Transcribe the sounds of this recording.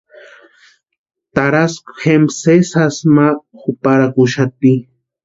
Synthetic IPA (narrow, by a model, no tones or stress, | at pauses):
t̪aɾaskʊ̥xemsesasmaxʊpaɾakʊʃat̪i